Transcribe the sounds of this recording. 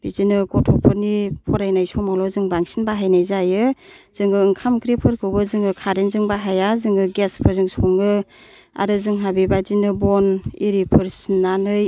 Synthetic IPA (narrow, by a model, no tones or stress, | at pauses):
b̥izinɯɡɔtʰɔpʰɯɾnipʰɔɾajnajsɔmalɔzɯŋbaŋsinbaɦajnajzajɯz̥ɯŋɡɯɯŋkʰamkʰɾipʰɯɾkʰɯwbɯzɯŋɯkʰaɾenzɯŋbaɦajazɯŋɯɡespʰɯɾzɯŋsɔŋɯ | a̰ɾɯzɯŋɦabibad͡ʒinɯbɔniɾipʰɯɾsinːanɯj